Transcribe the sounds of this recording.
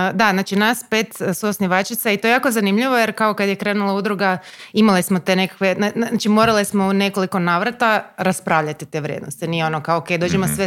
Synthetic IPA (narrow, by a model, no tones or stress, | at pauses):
d̪aznaːt͡ʃinaspe̞t̪suosniʋat͡ʃit̪sait̪oejaːko̞zanimʎiʋo̞jeɾkaokad̪jekɾeːnulˠaud̪ɾuɡaimalismot̪enekḁkʋe̞aaat͡ʃimo̞ɾalismo̞une̞ko̞liko̞naːʋɾat̪aɾaspɾaːʋʎat̪it̪e̞ʋɾʲjḛd̪nost̪inijeo̞nokaooked̪o̞ːd͡ʒemosʋe